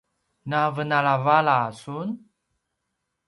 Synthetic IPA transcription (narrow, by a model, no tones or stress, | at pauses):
navənalavalasun